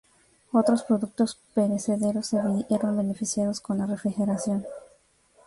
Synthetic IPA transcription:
o̞t̪ɾospɾo̞ðuk̚t̪o̞spe̞ɾese̞ðe̞ɾosːeβieɾombe̞nefisjað̞osko̞nlare̞fɾixe̞ɾasjo̞n

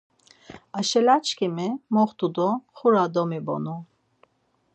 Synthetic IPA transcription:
aʃɛlat͡ʃʰkʰimɛmɔχt̪ud̪ɔχuɾad̪ɔmibɔ̰nu

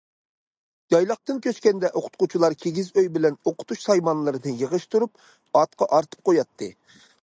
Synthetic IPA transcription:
d͡ʒɑjlˠɑχ̚t̪ɨnkʲøskʲɛnd̪ɛʔoqʰʊ̥t̪̚qut͡ʃʰilˠɑɾkʲʰeɡʲizøjbɪlɛnoqʰʊ̥t̪ʰuʃsɑjmɑnlˠɨɾɨnɨjəʁəʃt̪uɾup | ɑt̪̚qʰɑʔɑɾt̪ʰɨ̥p̚qʰojɑt̪ʰːɨ

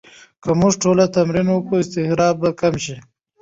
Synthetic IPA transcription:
kəmʊʐʈolat̪amɾinwəkuɪst̪ɪhɾɑːb̚bakamʃi

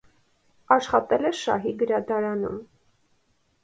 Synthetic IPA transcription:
ɑʃχɑt̪ɛlɛʃɑ̰ɦiɡəɾɑd̪ɑɾɑnṵm

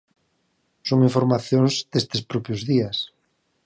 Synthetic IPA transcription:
soŋiɱfoɾmaθjoŋzd̪est̪espɾɔpjozðias

